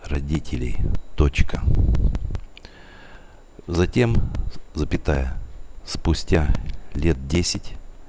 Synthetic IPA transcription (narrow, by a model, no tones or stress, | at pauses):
rɐdʲitʲɪlʲɪ̰jt̪ot͡ɕkə | zɐtʲe̞mzəpʲɪt̪ajəspʊsʲtʲalʲe̞t̪̚dʲesʲɪtʲ